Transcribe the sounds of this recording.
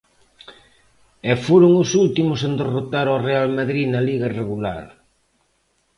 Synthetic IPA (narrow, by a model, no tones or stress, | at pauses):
ɛfoɾʊŋʊsult̪imʊsend̪erot̪aɾorealmaðɾiðnɐliɣaireɣula̰ɾ